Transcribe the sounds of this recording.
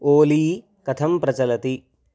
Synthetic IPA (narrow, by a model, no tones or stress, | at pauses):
oːliː | kɐt̪ʰɐmpɾɐt͡ʃɐlɐt̪i